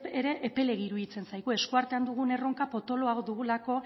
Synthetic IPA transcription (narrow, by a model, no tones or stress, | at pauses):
eɾe̞ʔːpe̞le̞ɣiɾuðit͡se̞nsajɣue̞skuaɾt̪e̞and̪uɣ̞une̞ro̞ŋkapo̞t̪o̞lo̞aod̪uɣulako̞